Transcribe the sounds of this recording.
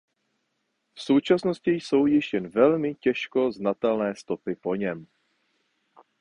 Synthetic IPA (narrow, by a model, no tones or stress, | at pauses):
fso̞wt͡ʃasno̞scɪjso̞wjɪʃjɛnvɛlmɪcɛʃko̞znat̪ɛlnɛːst̪o̞pɪpo̞ɲɛm